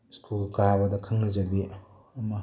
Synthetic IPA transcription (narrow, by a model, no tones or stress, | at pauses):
skʰulkajbɐdɐkʰaŋnɐzɐdi | ɐmɐ